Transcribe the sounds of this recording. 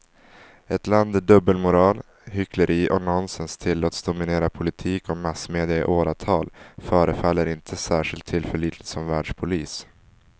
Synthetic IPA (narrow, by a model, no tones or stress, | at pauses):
ɛt̪land̪əɖɵbːəlmʊɾɑːl | hʏkləɾʔiːʔɔnɔnsənst̪ʰɪlːoːt̪sd̪ʊmɪneːɾapʰʊlɪt̪ʰiːkɔmasmeːd̪ɪaɪ̰ʔoːɾat̪ʰɑːlfœːɾəfalːəɾɪnt̪ʰəsæːʂɪlt̪ʰːɪlfœɭiːt̪lɪt̪sɔmvæːɖʂpʰʊliːs